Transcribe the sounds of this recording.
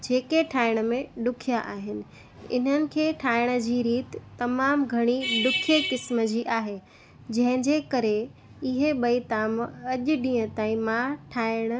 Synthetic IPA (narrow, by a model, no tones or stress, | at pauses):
d͡ʑeːkeʈʰaːɪɽ̃ə̆mẽɗʊkʰijaʔaːɦɪnɪ̆ | ɪ̰n̤ənɪ̆kʰeːʈʰaːɪɽ̃ə̆d͡ʑiːɾiːt̪ːɐmaːmɡʱɐɽ̃iɗʊkʰekɪsməd͡ʑiːʔaːɦe | d͡ʑɐ̃ɦɪ̃ɲd͡ʑeːkɐɾe | ɪɦeɓɐit̪aːmɐʄʊɗĩːə̃t̪aːĩmãʈʰaːɪɽ̃ə̆